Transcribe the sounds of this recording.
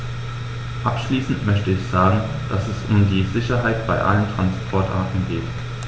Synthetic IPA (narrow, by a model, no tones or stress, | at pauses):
ʔapʃliːsn̩tmœçtəɪçz̥aːɡŋ̩ | d̥asɛsʔʊmdiːzɪçɐɦaɪtb̥aɪʔa̰ləntʁ̥anspʰɔɐtʔa̰ɐtn̩ɡeːt